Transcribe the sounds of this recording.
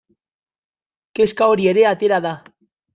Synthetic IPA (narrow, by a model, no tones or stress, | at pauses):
ke̞skaoɾie̞ɾe̞at̪e̞ɾaða